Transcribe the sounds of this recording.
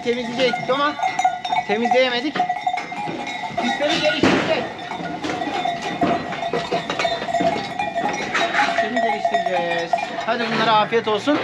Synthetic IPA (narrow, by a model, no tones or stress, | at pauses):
t̪ʰemizʲid͡ʒeoma | t̪ʰe̞mizd̪ejemed̪ikc | ist̪emizdeɾʲiʃt̪iɾd͡ʒe | it̪ʰemizeliʃt̪ʰiɾid͡ʒøhad̪ɯbunlˠaɾaaːfijet̪o̞lˠsun